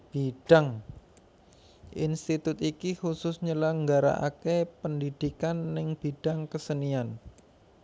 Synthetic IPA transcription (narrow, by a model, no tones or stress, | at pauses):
b̥iɖ̥aŋ | ʔinst̪it̪ʊt̪ikixusʊsɲəlaŋɡaɾa̰ʔa̰kepəndid̪̥ikanːɪŋb̥iɖ̥aŋkəsənian